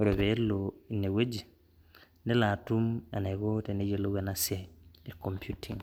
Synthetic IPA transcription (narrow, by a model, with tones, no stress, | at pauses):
o˨ɾe˨be˨˦loi˨ne˨we˦d͡ʒi˨ | nɛ˦la˨tu˦ma˨nɛ˨ɡo˦te˨ne˦d͡ʒe˨lo˦ɡɛ˨na˦sɛ˦ɛ˨kompju˦tʰḭ˨ŋ